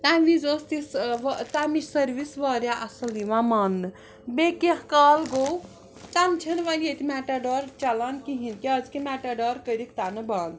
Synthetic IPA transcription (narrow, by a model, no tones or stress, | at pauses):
t̪aʋizost̪isʋt̪amisɐɾʋisʋaɾʲjaʔɐsɐliʋamanːɨ | bekehkaːlɡow | t̪ant͡ʃʰɐnʋanʲet̪imɛʈaɖɔɾt͡ʃɐlankiɦinkiɐd͡zkimaʈaɖɔːɾkəɾikt̪anɨban